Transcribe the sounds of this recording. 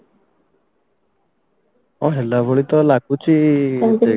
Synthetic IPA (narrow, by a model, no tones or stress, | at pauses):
ɔɦelabʱoɭit̪ɔlaɡut͡ʃʰi